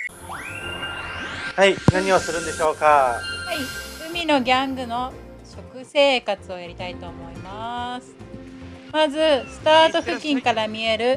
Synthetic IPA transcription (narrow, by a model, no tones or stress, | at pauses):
hainaɲ̟iosɨɾɯ̟̃nd̪eɕo̞ːkahaiɯ̟mʲino̞ɡʲãŋɡɯ̟no̞ | ɕo̞kɯ̟se̞ːkat͡sɨo̞jaɾʲit̪ait̪o̞ːmo̞imasɨ̥ | mazɨsɨ̥t̪aːt̪o̞ɸɯ̟kʲːĩŋkaɾamʲie̞ɾɯ̟